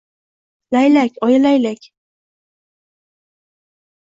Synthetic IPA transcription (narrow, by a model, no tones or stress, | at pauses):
lajlakʲʰɒjalajlakʲ